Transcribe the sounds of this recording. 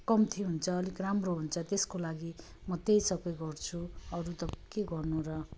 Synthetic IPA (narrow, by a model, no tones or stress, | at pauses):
kʌmt̪ʰiɦunt͡sʰʌːlikramroɦunt͡sʰʌt̪eskolaɡi | mʌt̪ejsʌkʌjɡʌrt͡sʰuʌɾut̪ʌkeɡʌrnuɾʌ